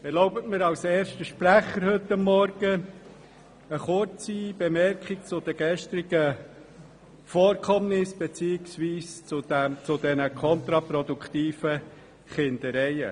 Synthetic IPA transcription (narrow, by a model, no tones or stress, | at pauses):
ɛɾlɔʊbətmɪɾɑʊseːɾʃtəʃpɾæχəɾhɵtːɑmːɔɾɡ̥ə | əχʊɾt͡sib̥emɛɾkχɪk̚t͡sʊd̪əɡ̥ɛʃt̪ɾɪɡə | fɔːɾkʰɔmnɪsb̥ɛt͡siːɪksviːst͡sʊdɛt͡sʊd̪ɛnəkʰɔnt̪ɾɑpɾɔd̪ukʰt̪iːfə | χɪnd̥̪əɾɛɪə̰